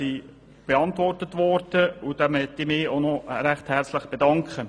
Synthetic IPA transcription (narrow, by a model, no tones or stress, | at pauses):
i | b̥eɑntʋɔrtətʋɔrd̥əud̥amɛt̪imɪːonɔɾæχthɛɾt͡sləχb̥edɑŋkχə